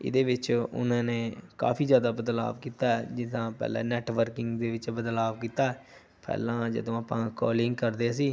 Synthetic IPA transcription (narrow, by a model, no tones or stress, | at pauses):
ɪ̰d̪eːʋɪt͡ʃʊ̰nãːneːka̰ːpʰiːzjaːd̪aːbəd̪la̰ːʋkiːt̪aːɛd͡ʒɪt̪ãːpɛ̰ːlɛ̰̃ːnɛːʈʋəɾkɪŋɡd̪eːʋɪt͡ʃbəd̪laːʋkiːt̪aːɛː | pʰɛ̰ːlãːd͡ʒə̰d̪õːaːpãːkɔːlɪŋɡkəɾd̪eːs̬iː